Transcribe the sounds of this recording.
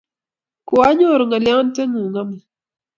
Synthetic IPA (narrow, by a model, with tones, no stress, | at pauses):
kwa˦ɲo˦˨ɾo˨ŋa˨lja˦n˦tɛ˦ŋu˨ŋa˦mi˨